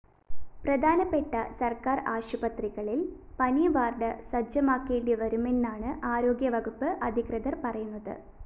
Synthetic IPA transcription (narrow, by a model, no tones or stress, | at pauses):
prɐd̪ʱaːnɐpːe̞ʈːɐsɐrkaːraːɕubɐt̪riɣɐɭil | pɐnijʋaːrɖɐsɐd͡ʑɐmaːkːeːɳɖiʋɐɾume̞nːaːɳɨʔaːɾo̞ːɡjɐʋɐɡupːɨʔɐd̪ʱikrɐd̪ɐrpɐrɐjunːɐðɨ̰